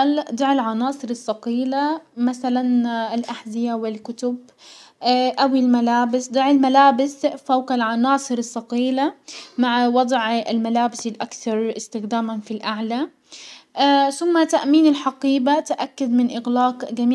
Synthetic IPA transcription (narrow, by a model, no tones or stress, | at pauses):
ald̪ˤɑʕɪlʕɑnɑːsˤɨɾɨsˤːɑqiːlamaθalanɪlʔaħzɪjawɪlkʊt̪ʊb | ʔawilmalaːbɪsd̪ˤɑʕɪlmalaːbɪsfawqalʕɑnɑːsˤɨɾɨsˤːɑqiːlamaʕwɑd̪ˤʕɪlmalaːbɪsɪlʔakθɑɾˤɪst̪ɪxd̪aːmanfilʔaʕla | θʊmːat̪aʔmiːnɪlħɑqiːbat̪ʔakːʊd̪mɪnʔɪɣlaːqɡamiː